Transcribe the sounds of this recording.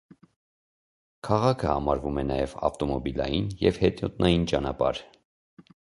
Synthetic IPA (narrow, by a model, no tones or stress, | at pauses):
kʰɑʁɑkʰəhɑmɑɾvumɛnɑjɛvɑ̰ft̪ɔmɔbilɑ̰jinjɛvhɛt̪jɔt̪nɑjint͡ʃɑnɑpɑ̰ɾ